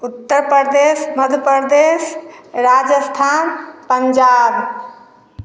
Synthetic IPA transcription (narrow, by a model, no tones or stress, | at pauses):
ut̪ːəɾpəɾd̪esməd̪ʱpəɾd̪esɾad͡ʒəst̪ʰanpəɲd͡ʒab